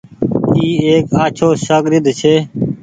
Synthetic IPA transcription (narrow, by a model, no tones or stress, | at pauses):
iːeːkaːt͡ʃʰoːsaːɡɾɪd̪t͡ʃʰeː